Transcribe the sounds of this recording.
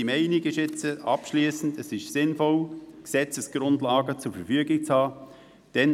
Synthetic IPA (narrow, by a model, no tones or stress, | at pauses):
imɛɪnɪɡɪʃɛt͡səʔɑpʃliːsn̩dɛsɪʃsɪnfɔlksɛt͡səsɡ̥ɾʊndlɑːɡət͡sʊɾfəɾfyəɡɪk̚t͡shɑː | d̥ɛn